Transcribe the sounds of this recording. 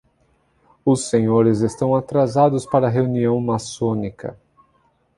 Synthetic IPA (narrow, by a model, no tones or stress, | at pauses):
ʊsːẽɲoɾɪzest̪ɐ̃w̃at̪ɾazad̪ʊspaɾɐɦeuniɐ̃w̃masõnikɐ̰